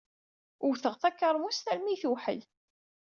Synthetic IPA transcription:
ʊwθəʁθækːəɾˤmust̪æɾmiθuħə̰l

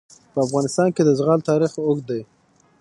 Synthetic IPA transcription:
pəafɣɑnɪst̪ɑnked̪əzɣɑlt̪ɑɾixʊɡd̪aj

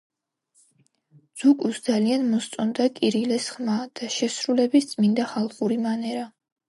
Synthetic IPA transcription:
d̪z̥ukʼusd̪zalianmɔst̪sʼɔnd̪akʼiɾilɛsχmad̪̥aʃɛsɾulɛbist̪sʼmind̪aχalˠχuɾimanɛɾa

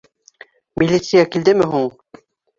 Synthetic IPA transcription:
mʲilʲːit̪sɨjakild̪ɘmɘɦuɴ

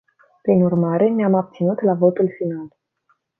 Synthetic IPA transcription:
pɾinurmaɾe̞neamab̚t̪sinut̪lavo̞t̪ulfinal

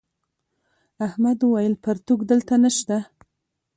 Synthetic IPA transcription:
ahmad̪wajəlpaɾt̪uɡd̪əlt̪anəʃt̪a

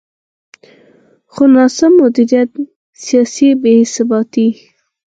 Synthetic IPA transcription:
xonɑsamːʊd̪iɾijat̪ | sijɑsibehɪsɑbɑt̪i

